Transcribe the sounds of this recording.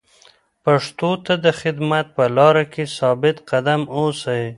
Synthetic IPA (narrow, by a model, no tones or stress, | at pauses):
paʂt̪ot̪ad̪əxɪd̪mat̪̚pəlɑɾakʰesɑbɪt̪qad̪amosaj